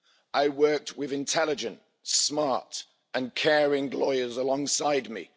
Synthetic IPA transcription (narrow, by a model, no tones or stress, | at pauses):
ʔaɪwɜˑk̚t̚ʰwɪðɪ̃ntʰɛlɪd͡ʒə̃n | smɑɹt | ə̃nkʰɛːɹɪ̃ŋlɔɪəzəlɒ̃ŋsaɪd̚mḭ